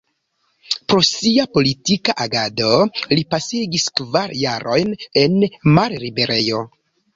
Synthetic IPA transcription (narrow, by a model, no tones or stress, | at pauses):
pɾo̞siapo̞litikaʔaɡado̞lipaseɡiskvaɾjaɾʔo̞jne̞nmaɾɾibe̞ɾe̞jo̞